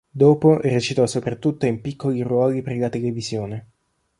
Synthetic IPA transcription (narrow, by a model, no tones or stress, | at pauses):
d̪oːpoʔerːet͡ʃit̪ɔsopɾat̪ːut̪ːoimpikːoliɾwɔːlipeɾlat̪elevizjoːne